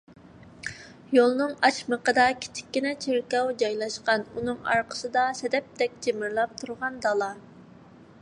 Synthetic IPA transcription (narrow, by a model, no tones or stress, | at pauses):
jolˠnɨŋɑt͡ʃməqəd̪ɑkʲʰi̥t͡ʃʰɪ̥kʲːinɛt͡ʃʰeɾkʲɑwd͡ʒɑjlˠɑʃqɑnunɨŋɑ̰ɾqʰə̥sɨd̪ɑsɛd̪ɛp̚t̪ɛk̚ʲd͡ʒemɪɾlˠɑp̚t̪ʰuɾʁɑnd̪ɑlˠɑ